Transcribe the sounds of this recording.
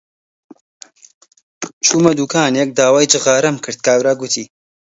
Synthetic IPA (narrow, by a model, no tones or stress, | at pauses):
t͡ʃʰuːmɐd̪uːkʰaːnjɛk̚d̪aːwaːjd͡ʒɨɣaːɾɐmkʰɨɾd̪̚kaːwɾaːɡʊt̪ʰiː